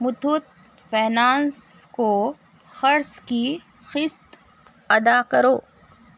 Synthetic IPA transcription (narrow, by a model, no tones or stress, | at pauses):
mʊt̪ʰʊt̪̚ | fɛːnaːnsko | xɐɾski | xɪst̪ | ɐd̪aːkɐɾoː